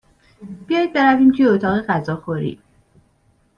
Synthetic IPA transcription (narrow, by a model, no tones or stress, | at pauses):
b̥ijɒjd̪̚be̞ɾæviːmt̪ʰujeot̪ʰɒːɣe̞ɢæzɒːxoɾḭ̥ː